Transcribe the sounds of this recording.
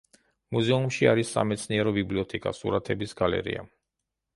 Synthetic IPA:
muzɛumʃiaɾisːa̰mɛt̪sʰniɛɾɔbibliɔt̪ʰɛkʼasṵɾat̪ʰɛbisɡalɛ̰ɾḭa̰

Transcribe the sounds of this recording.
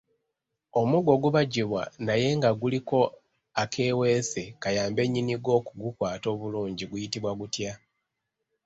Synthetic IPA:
o̞muɡo̞ɡuβaɟiβwa̰naje̞ŋɡaɡuliko̞ | akʰe̞ːwe̞ːse̞kajaːmbe̞ɲːiniɡo̞ːkuɡukwaːto̞ːβuluːɲɟiɡujitiβwaɡutja

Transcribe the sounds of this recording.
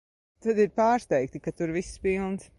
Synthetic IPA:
t̪ad̪iɾpaːɾst̪ɛɪk̚t̪ikat̪uɾvispilˠns

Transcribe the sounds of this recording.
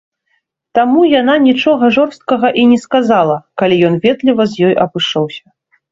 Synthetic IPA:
t̪amujananʲit͡ʂɔɣɐʐɔrst̪̚kɐɣɐʔinʲɛskazalˠɐkalʲijɔnvʲɛt̪lʲivɐzʲjɔjʔɐbɨʂɔwsʲɐ̥

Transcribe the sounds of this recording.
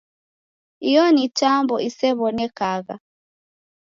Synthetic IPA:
ijɔnitambɔʔisɛβɔnɛkaɣa̰

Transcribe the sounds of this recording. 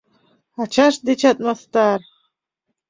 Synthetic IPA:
at͡ʃʰaʂd̪et͡ʃʰat̪ʼmast̪aːr

